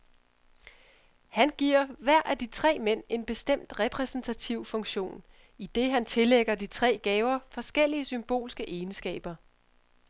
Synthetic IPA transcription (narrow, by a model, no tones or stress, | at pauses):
hænɡ̥iɐ̰ʋæɐ̰ʔæd̥it͡sʰʁɛ̰ːmen̰e̝nb̥e̝sd̥em̰d̥ʁɛpʰʁɛsn̩t͡sʰæt͡sʰiʊ̰fɔ̽ŋɕo̝̰ːn | id̥e̝ɦænt͡sʰe̝leɡ̥ɐd̥it͡sʰʁɛ̰ːɡ̥ɛːʊɐfɒ̽sɡ̥el̰iəsymb̥o̝̰ːlsɡ̥əʔeːnsɡ̥ɛ̰ːb̥ɐ